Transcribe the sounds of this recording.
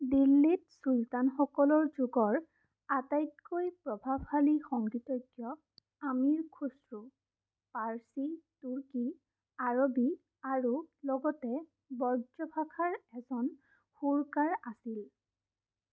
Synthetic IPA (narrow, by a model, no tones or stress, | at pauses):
dilːitsultanxɔkɔlɔɹzuɡɔɹ | atajtkojpɹɔbʱabʱhalixɔŋɡɹitɔɡjɔ | amiɹkʰusɹu | paɹsituɹki | aɹobi | aɹulɔɡɔtɛ | bɔɹzɔbʱakʰaɹɛzɔn | xuɹkaɹasil